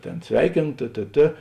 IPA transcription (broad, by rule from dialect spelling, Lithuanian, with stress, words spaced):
ˈtʲeːn ˈsʲʋʲɛɪkʲeːnoː tʲeː tʲeː ˈtʲeː